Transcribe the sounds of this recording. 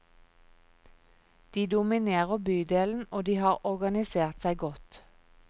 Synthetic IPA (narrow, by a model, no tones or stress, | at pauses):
d̪̥iːd̪ʊmɪneːʁəbyːd̪eːln̩oːd̪iːhɑːʁɔʁɡɑnɪseːʁt̪sæɪɡɔt̪